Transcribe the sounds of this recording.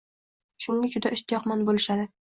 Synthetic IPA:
ʃuŋɡad͡ʒʊd̪aʔɪʃt̪jɒqmɒnbolˠɪʃad̪ɪ

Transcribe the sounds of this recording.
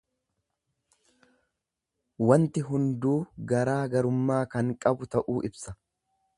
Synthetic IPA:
wɐnt̪ɪɦʊnd̪uːɡɐɾaːɡɐɾʊmːaːkɐŋkʼɐbʊt̪ɐʔuːɪbsɐ

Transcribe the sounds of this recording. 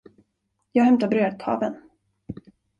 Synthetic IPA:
jɑːɡhɛmt̪abɾøːd̪̚t̪ʰɑ̰ːvən

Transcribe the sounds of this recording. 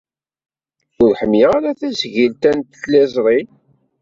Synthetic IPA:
ʊɾħəmjiʁaɾæθæsʝilt̪ænt̪θlæzˤɾˤil

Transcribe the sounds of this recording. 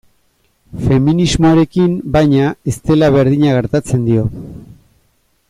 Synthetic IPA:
fe̞minizmoɾe̞kimbajɲae̞st̪e̞laβ̞e̞ɾðiɲaɣe̞ɾt̪at͡se̞nd̪io̞

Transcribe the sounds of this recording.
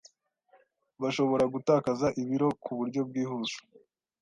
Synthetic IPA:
βaʃo̞βo̞ɾaɡutaːkazaʔiβiɾo̞kuβuɾɟo̞b̚ɡiːhuʃu̥

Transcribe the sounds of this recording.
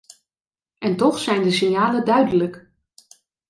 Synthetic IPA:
ʔɛntɔxsɛjndəsɪnjaːlədœɥdələk

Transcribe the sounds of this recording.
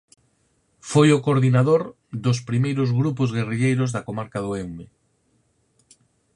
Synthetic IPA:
fojokoɾðinaðoɾ | d̪os̬pɾimejɾozɣɾup̬ozɣeriʎejɾozðakomaɾkaðoewme

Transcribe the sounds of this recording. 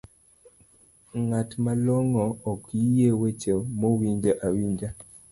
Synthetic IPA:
ŋatmalɔŋɔːkjijewet͡ʃemowiɲd͡ʒaʔawiɲd͡ʒa

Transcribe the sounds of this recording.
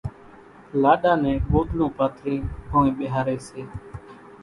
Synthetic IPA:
laːɗaːnɛ̃ːɓoːd̪lũːpaːt̪ʰɾĩːɦoːẽːɓeɦaːɾeːseː

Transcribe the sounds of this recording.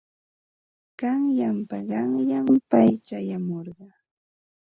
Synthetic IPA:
ɢ̥ɑŋjampaɢɑŋjampajt͡ʃajamoɾɢɑ

